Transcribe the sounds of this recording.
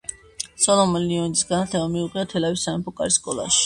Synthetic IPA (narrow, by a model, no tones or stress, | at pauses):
sɔlˠɔmɔniɔnit̪isɡanat̪ʰlɛbamiuqʼiat̪ʰɛlawisaɛmpʰɔkʼa̰ɾiskʼɔlˠa̰ʃi̥